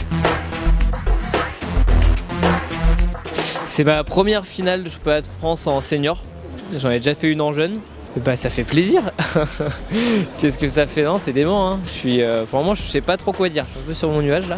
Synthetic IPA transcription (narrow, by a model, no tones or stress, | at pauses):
sɛmapχəmjɛʁfinald̪əʃɔ̥pɔad̪əfχɑ̃sɑ̃seɲjɔʁ | ʒɑnɛd̪eʒafɛynɑ̃ʒœn | ebasafɛpleziʁ | kʲɛskəsafɛnɔ̃sɛd̪emɑ̃ɛ̃əʃɥiøpʁmɔmɑ̃ʒəsɛpat̪χokwad̪iʁʃɥiɛ̃pøsyʁmɔ̃nyaʒla